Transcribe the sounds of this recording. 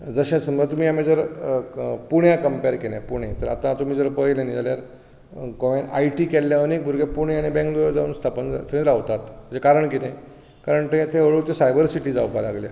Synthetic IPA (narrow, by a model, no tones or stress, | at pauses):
d͡zəɕẽsməət̪um̤iːamĩd͡zəɾ | puɳjãkəmpeɾkelɛ̃puɽ̃et̪əɾa̰t̪ãt̪um̤iːd͡zəɾpəjlenid͡zaljaɾ | kɔʋãna̰jʈiːkɛlːjaənek̚bʱuɾɡepuɳ̃eaɽ̃ibɛ̃ŋkd̪ojd͡zauːnst̪ʰapənd͡za̰t̪ʰəɾĩd͡zəɾaʋt̪at̪m̤əd͡ʑekaɾəɳkit̪ẽ | kaɾəɳt̪ẽt̪ʰẽʋəɭuːɾt̪ẽsajbəɾsiʈiːd͡zawpala̰ɡlja